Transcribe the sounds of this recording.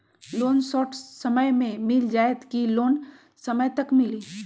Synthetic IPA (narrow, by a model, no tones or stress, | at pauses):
loːnsɔːʈʰsəməjmẽmɪld͡ʒaːet̪kiloːn | səməjt̪ɐkmɪliː